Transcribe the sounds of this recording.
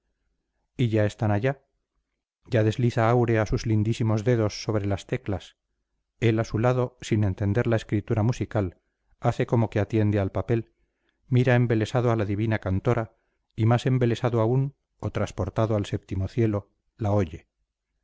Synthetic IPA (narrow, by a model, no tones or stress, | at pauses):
iʝae̞st̪anaʝa | ɟ͡ʝaðe̞zliθaawɾe̞asuzlind̪isimo̞zðe̞ðo̞sːo̞βɾe̞last̪e̞klas | e̞lasulað̞o̞sinẽ̞nt̪e̞nd̪e̞ɾlae̞skɾit̪uɾamusikal | aθe̞ko̞mo̞ke̞at̪je̞nd̪ealpape̞l | miɾae̞mbe̞le̞saðoalaðiβinakant̪o̞ɾʔa | imase̞mbe̞le̞saðoaun | o̞t̪ɾaspo̞ɾt̪aðoalse̞p̚t̪imo̞θje̞lo̞ | lao̞ʝe̞